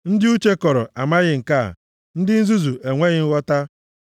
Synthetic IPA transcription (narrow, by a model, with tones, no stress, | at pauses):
n̩˦dɪ˦u˦t͡ʃe˦kɔ˨ɾɔ˨ʔa˨ma˦ɣɪ˦ŋ̩˨ka̰˦˨ | n̩˦dɪ˦n̩˦zu˦zu˨ʔe˨ŋʷe˦ɣɪ˦n̩˦ɣɔ˦ta˦